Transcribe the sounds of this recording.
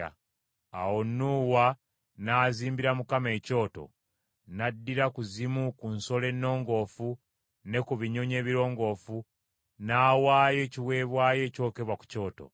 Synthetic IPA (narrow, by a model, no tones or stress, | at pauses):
a̰ | a̰wonːuːwa | naːziːmbiɾamukame̞ːco̞ːto̞̰ | nadːiɾakuzimukunso̞le̞nːo̞ːŋɡo̞ːfu | ne̞kuβiɲo̞ɲe̞ːβiɾo̞ːŋɡo̞ːfu | naːwaːjo̞ːciwe̞ːβwaːjo̞ːco̞ːke̞βwaku̥co̞ːto̞̰